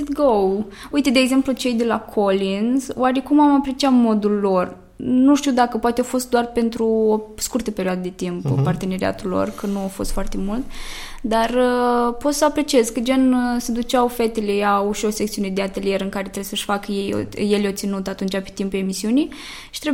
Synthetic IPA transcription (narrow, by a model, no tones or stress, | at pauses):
t̪ɡowujt̪ed̪eːɡze̞mplut͡ʃe̞jd̪e̞lakʰo̞linzo̰aɾe̞kumamapɾe̞t͡ʃiamo̞d̪ulːo̞r | nuʃt̪iuwd̪akəpoat̪eafo̞st̪̚d̪oarpe̞nt̪ɾuoskurt̪əpeɾioad̪əd̪e̞t̪imppart̪e̞neɾia̰t̪ulːo̞̰rkənuafo̞st̪foart̪e̞mult̪ | d̪arəpo̞t̪səapɾe̞t͡ʃiezkəd͡ʒensed̪ut͡ʃawfet̪eleauʃosek̚t̪siuned̪eat̪e̞lie̞ɾɨŋkaɾet̪ɾebesəʃfakəjejo̰jelot̪sinut̪at̪unt͡ʃapet̪impue̞misiuni | ʃi̥t̪ɾe